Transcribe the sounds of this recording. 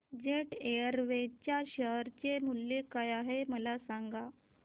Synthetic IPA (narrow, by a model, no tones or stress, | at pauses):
d͡ʑeʈeəɾʋet͡ɕjaɕəɦɾt͡ɕemulːekajaɦeməlasaŋɡa